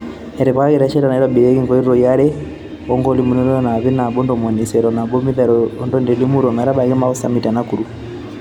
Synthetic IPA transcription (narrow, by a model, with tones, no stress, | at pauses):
ɛ˨ɾɛ˨βa˦ka˦kɛ˦ɾɛ˨ʃɛ˦ɾa˨na˨i˦ɾwa˨bi˨ɾɛ˦ki˦ŋɡɔ˨li˦ɾɾɔ˨ja˦ɾɛ˦ | ɔ˦ŋɡɔ˦li˦mu˨nɛ˦ɾɔ˦jɔ˦na˨βɛ˦na˨bɔ˦ndɔ˨mɔ˨ni˨sɛɾɔ˨na˨bɔ˦mi˦ðɛ˨ɾɔ˦ndɔ˦ndɛ˨li˦mu˦ɾɔ˨mɛ˨ɾa˦ba˨kɛ˦ma˦ɔ˦sa̰˨mi˨ta˨naku˨ɾu˨